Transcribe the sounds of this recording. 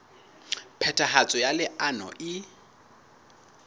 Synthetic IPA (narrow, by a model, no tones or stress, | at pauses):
pʰɛtʰʼaɦat͡sʼɔjalɪʔanɔ̰ʔɪ